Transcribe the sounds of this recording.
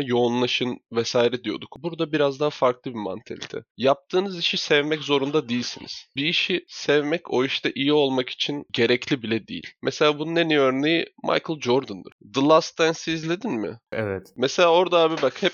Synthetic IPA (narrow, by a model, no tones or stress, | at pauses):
jo̞ːnlˠaʃɯnvɛsaːiɾɛd̪ijo̞d̪ukbuɾd̪abiɾazd̪aɦafaɾklˠɯbima̰nt̪ʰɛ̰lʲt̪ʰɛ̰jap̚t̪ʰɯːnɯziʃisɛvmɛczo̞ɾund̪ad̪ijilʲsinḭz̥biːʃisɛvmɛco̞iʃt̪aʔijio̞lˠmaki̥t͡ʃʰinɟe̞ɾɛclʲibilʲɛd̪ḭjḭlʲmʔɛse̞lʲaːbununeniøɾne̞jimʔa̰jkʰɯlˠd͡ʒoɾd̪und̪ɯ̰ɾd̪ɯlˠast̪ænsiizlʲe̞d̪inmɪ̰ɛ̰vɛt̪mɛse̞lʲaːo̞ɾd̪aaːbibakhɛp̚